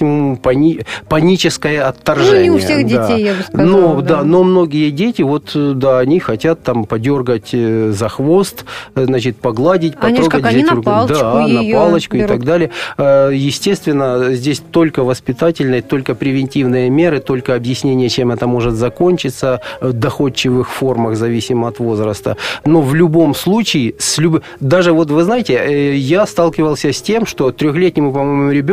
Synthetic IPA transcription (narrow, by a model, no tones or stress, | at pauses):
mpɐipɐnʲit͡ɕɪskəjəɐt̪ːɐrʐɛnʲfsɪjʲexdʲɪejːabɨnod̪ano̞mno̞ɡʲɪjədʲetʲɪvo̞t̪d̪aɐnʲixɐtʲat̪ːampɐdʲo̞rɡətʲzɐxvo̞st̪znat͡ɕɪt̪pɐɡlˠadʲɪtʲpɐt̪ɾoət̚ʲvzʲaɾʊɡˠd̪anɐpalˠət͡ɕkʊɪt̪ɐɡd̪alʲɪjəjɪsʲtʲe̞st̪vʲɪnːəzʲdʲesʲt̪o̞lʲkəvəspʲɪt̪atʲɪlʲnəjət̪o̞lʲkəpɾʲɪvʲɪnʲtʲivnɨjəmʲe̞ɾɨt̪o̞lʲkəɐbjɪsʲnʲenʲɪjət͡ɕe̞mɛt̪əmo̞ʐɨt̪zɐko̞nʲt͡ɕɪt̪səvd̪ɐxo̞t͡ɕːɪvɨxfo̞rməxzɐvʲisʲɪməɐt̪vo̞zɾəst̪ə̰no̞vlʲʊbo̞mslˠut͡ɕɪɪsʲlʲʊbɨ | d̪aʐɨvo̞t̪vɨznajɪtʲɪjast̪alˠkʲɪvəlˠsʲəsʲtʲe̞mʂt̪o̞t̪ɾʲoxlʲetʲnʲɪmʊpɐmo̞jmmʊɾʲɪbʲ